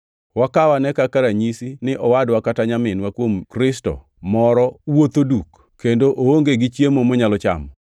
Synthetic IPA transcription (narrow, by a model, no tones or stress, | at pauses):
wakawanɛkakaɾaɲisinɪʔɔwadwakataɲamɪnwakwomkɾɪstɔ̰ | mɔɾɔwot̪oduk | kːendoʔooŋɡeɡɪt͡ʃjemomɔɲalɔt͡ʃa̰mɔ